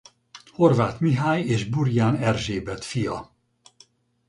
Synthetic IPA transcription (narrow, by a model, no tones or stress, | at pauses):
ho̞rvaːt̪miɦaːjeːʒburjaːnɛrʒeːbɛt̪fijɒ